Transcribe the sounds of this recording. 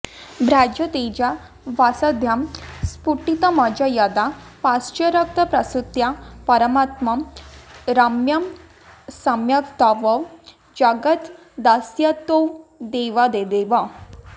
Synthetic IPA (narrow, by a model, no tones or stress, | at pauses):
bɾad͡ʑət̪ed͡ʑa | ʋasad̪ʱjamspuʈit̪ɐmad͡ʑajad̪apast͡ʃɐɾɐk̚t̪ɐpɾɐsut̪japɐɾəmat̪mɐm | ɾɐmjɐm | sɐmjɐkt̪aʋɐw | d͡ʒɐɡət̪ | d̪asjat̪owd̪eʋad̪ed̪eʋa